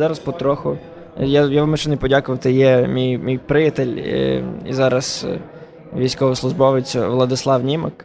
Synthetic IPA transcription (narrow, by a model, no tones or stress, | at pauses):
zɑɾɐspɔt̪ɾɔxʊ | jajaʋameʃt͡ʃɛnɛpɔdʲakʊʋɐt̪ɪjɛmʲijmʲijpɾɪjɐt̪el̰ʲ | ḭzɑɾɐs | ʋʲijsʲkɔʋɐslˠʊʒbɔʋɪt͡sʲɐʋlˠɐd̪ɪslˠɑwnʲimɐk